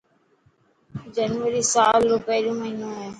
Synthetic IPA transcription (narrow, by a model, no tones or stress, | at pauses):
d͡ʒənʋəɾiːsaːloːpəːɾjõːməɦiːnõːɦeː